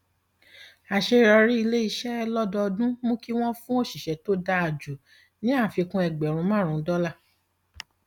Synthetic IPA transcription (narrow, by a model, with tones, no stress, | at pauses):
a˨ʃe˧˨ɾɔ˧ɾi˦i˧le˦i˧ʃɛ˦˧lɔ˦dɔ˧dũ˦mũ˦ki˦w̃ɔ̃˦fũ˦o˦˨ʃi˨ʃɛ˨to˦da˧a˨d͡ʒu˨ | nĩ˨˦a˦˨fi˧kũ˦ɛ˧˨ɡ͡bɛ˨ɾ̃ũ˧˦mãː˦˨ɾ̃ũ˨˦dɔ˦la˦˨